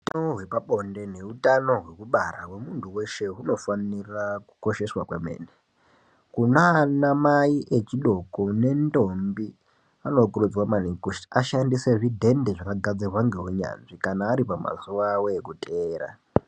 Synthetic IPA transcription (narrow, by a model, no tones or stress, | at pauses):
utaoɦwe̞paɓo̞nde̞ne̞utano̞ɦwe̞kuɓarawe̞muntʰuwe̞ʃe̞ɦuno̞faniraku̥ko̞ʃe̞swakweme̞̰ːne | kunaːnamaiʔe̞t͡ʃiɗo̞kone̞ndo̞mbi | ano̞kurud͡zwamanikuʃiaʃandise̞ʐidʱe̞ndeʐakaɡʱad͡zerwaŋɡeɦoɲa̰nʐikanaːɾipama̰zuʋawoekutʼʰeːɾa̰